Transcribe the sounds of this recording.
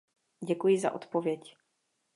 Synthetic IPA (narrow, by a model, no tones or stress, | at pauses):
ɟɛkujɪza̰ʔo̰t̪povjɛc